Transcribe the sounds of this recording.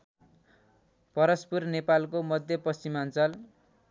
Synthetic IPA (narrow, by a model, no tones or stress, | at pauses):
pʌɾʌspurnepalkomʌd̪ʱjʌpʌst͡simant͡sʌl